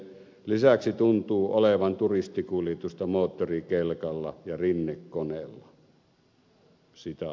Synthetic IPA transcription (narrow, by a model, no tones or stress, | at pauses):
lisæksit̪unt̪uːoleʋɑnt̪urist̪ikuljet̪ust̪ɑmoːt̪ːorikelkɑlːɑ̰jɑrinːekkonelːɑ | sit̪æ